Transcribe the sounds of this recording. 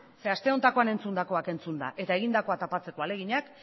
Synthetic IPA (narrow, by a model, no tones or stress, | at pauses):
se̞ast̪e̞o̞nt̪ako̞ane̞nt͡sund̪ako̞ake̞nt͡sund̪a̰ʔe̞t̪ae̞ɣ̞ind̪ako̞at̪apat͡se̞ko̞ale̞ɣ̞iɲak